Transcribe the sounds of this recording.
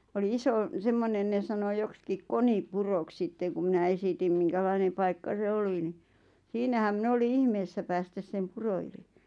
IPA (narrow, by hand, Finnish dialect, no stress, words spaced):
oli isoˑ semːonen ne sɑno jokskik konipurok sitːeŋ̆ ku mĭnæ esitim miŋkælɑinem̆ pɑikːɑ se oli ni siːnæhæm min oli ihmeːsːæ pæːstæs sem puro yli